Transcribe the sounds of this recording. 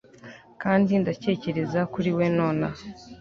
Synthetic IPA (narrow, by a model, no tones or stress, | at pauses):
kaːndindace̞ːce̞ɾe̞zakuɾiwe̞noːna